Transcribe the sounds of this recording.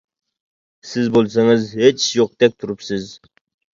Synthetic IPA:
sɪzbolˠs̬ɑŋɨzhet͡ʃjoq̚d̪ɛk̚ʲt̪ʰuɾupsɪz

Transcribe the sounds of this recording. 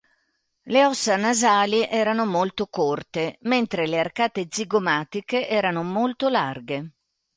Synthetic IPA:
leɔsːanazaːliʔɛːɾanomolt̪okort̪ement̪ɾelearkaːt̪ed̪ziɡomaːt̪ikeʔɛːɾanomolt̪olarɡe

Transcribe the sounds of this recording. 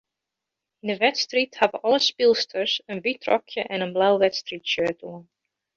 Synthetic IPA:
ɪndəʋɛtstrithavəʔɑləspɪlˠstʰəɹsənʋitrɔ̰kʰjəʔɛnənblawʋɛtstritʃøːtuən

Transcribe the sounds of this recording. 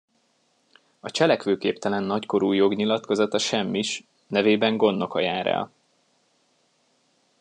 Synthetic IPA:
ɒt͡ʃɛlɛkʋøːkeːpt̪ɛlɛnːɒcko̞ɾuːjo̞ɡɲilɒt̪ko̞zɒt̪ɒʃɛmːiʃ | nɛveːbɛŋɡo̞nːo̞kɒjaːɾɛ̰l

